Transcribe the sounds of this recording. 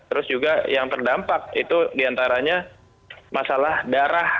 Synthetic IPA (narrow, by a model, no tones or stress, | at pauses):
t̪əɾʊsd͡ʒuɡajaŋt̪ərdampak̚it̪udiant̪aɾaɲa | masalahdaɾah